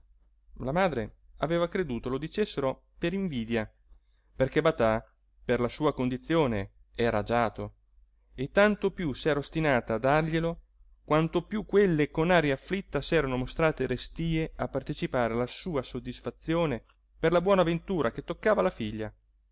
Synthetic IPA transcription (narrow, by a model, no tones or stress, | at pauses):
lamaːd̪ɾe | aveːvakɾed̪uːt̪olod̪it͡ʃesːeɾo | peɾiɱviːd̪ja | perkebat̪a | perlasuːakond̪it̪sːjoːne | ɛːɾad͡ʒaːt̪o | et̪ːant̪opjusɛːɾaost̪inaːt̪aːd̪arʎelo | kwant̪opjukːwelːekonaːɾjaːflit̪ːasɛːɾanomost̪ɾaːt̪eɾest̪iːeapːart̪et͡ʃipaːɾealasuːasod̪ːisfat̪sːjoːne | perlabwɔːnavent̪uːɾaket̪ːokːaːvalafiʎːa